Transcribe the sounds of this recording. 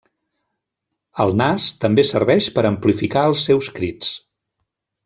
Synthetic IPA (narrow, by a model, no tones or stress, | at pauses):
əlˠnast̪əmbesəɾβɛʃpəɾəmplifikaəlˠsːɛwskɾit͡s